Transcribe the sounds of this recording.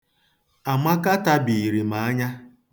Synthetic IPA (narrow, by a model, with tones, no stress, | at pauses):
a˨ma˦ka˦ta˦bi˨ɾi˨ma˨a˦ɲa˦